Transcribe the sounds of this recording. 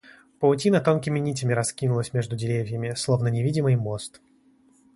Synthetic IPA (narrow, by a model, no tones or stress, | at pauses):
pəʊtʲinət̪onkʲɪmʲɪnʲitʲɪmʲɪɾɐskʲinʊlˠəsʲmʲe̞ʐd̪ʊdʲɪɾʲevʲɪjəmʲɪslˠovnənʲɪvʲidʲɪmɨjmost̪